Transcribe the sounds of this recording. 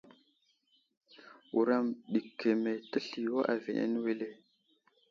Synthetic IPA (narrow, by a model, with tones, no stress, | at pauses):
u˨ɾa˦˨mɗi˨kʰːe˨me˨tə˦ɬi˨wa˦ʔa˨ve˨nḛ˦n˦we˦le˦